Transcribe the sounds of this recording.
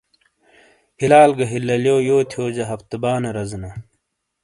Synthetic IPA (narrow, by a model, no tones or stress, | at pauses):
hilaːlɡɐɦilːɐljoːjoːt̪ʰjoːd͡ʑɐɦɐft̪ɐbaːnɐɾɐznɐ